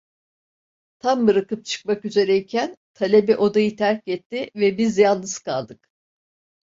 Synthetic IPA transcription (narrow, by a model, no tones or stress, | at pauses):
t̪ʰambɯɾakɯp̚t͡ʃʰɯ̥k̚makyze̞ɾɛicʰænt̪ʰalʲebɛʔo̞d̪ajɯt̪ʰæɾc̚ɟɛt̪ʰːɪvɛbizjalnˠlːˠɯz̥kʰa̰lˠd̪ɯk